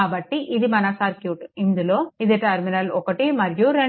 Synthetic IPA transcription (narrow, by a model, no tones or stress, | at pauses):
aːbɐʈːiʔid̪imɐnɐsaːɾkjuːʈind̪uloːid̪eʈɐɾminɐlɔkɐʈimɐɾjuɾɐ